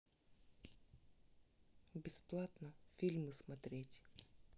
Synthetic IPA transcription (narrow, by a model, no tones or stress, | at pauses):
bʲɪsplˠat̪nəfʲilʲmɨsmɐt̪ɾʲetʲ